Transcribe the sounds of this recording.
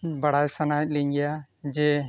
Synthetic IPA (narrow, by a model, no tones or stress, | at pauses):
baɽajsanajt̪̚ˀliɲɡɛja | d͡ʒɛ